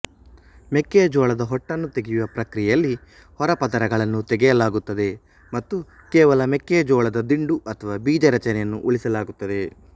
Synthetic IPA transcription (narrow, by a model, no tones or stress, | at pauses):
mekːeːd͡ʒɔːɭɐd̪ɐɦɔʈːɐnːut̪eɡijuʋɐpɾɐkɾijɛjɐlːi | hɔɾɐpɐd̪ɐɾɐɡɐɭɐnːut̪eɡɛjɐlaːɡut̪ːɐd̪e̞ | mɐt̪ːu | kɛːʋɐlɐmekːeːd͡ʒɔːɭɐd̪ɐd̪iɳɖuʔɐt̪ʰɐʋaːbiːd͡ʒɐɾɐt͡ʃɐnɛjɐnːuʔuɭisɐlaːɡut̪ːɐd̪e̞